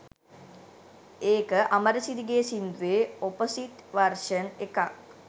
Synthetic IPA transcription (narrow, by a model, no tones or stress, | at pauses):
eːkəʔaməɾəsid̪iɡeːsind̪uʋeoposiʈʋarʂənekak